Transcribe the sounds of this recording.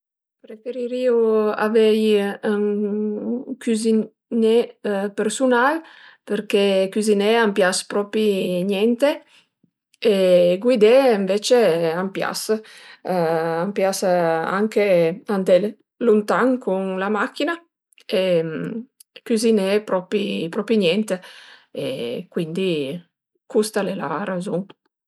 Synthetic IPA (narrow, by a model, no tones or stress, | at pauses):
pɾefeɾiɾiua̰vɛjaŋ | kyzi | nepeɾsunalpeɾkekyzineampjaspɾɔpiɲjɛnt̪e | eɡwid̪eːɱvet͡ʃeampja̰s | ampjasa̰ŋkeant̪ɛl | lunt̪aŋkunlamakːina | em | kyzinepɾɔpipɾɔpiɲjɛnt̪eḛkwind̪i | kust̪alela̰ɾazuŋ